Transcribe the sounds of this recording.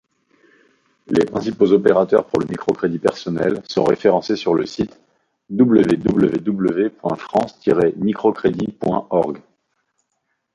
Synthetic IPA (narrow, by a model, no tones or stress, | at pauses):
lepχɛ̃sipozɔpeʁat̪œʁpuʁləmikχɔkχed̪ipɛʁsɔnɛ̰lsɔ̰̃ʁḛfeʁɑ̃sesyʁləsit̪ | d̪ubləved̪ubləved̪ubləvepwɛ̃fχɑ̃st̪iʁemikχɔkχed̪ipwɛ̃ɔʁɡ